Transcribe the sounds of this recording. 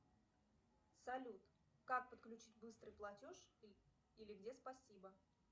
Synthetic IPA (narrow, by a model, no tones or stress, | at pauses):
sɐlʲut̪ | kak̚pət̪klʲʉt͡ɕit̚ʲbɨst̪ɾɨjplˠɐtʲoʂ | ilʲɪɡdʲespɐsʲibə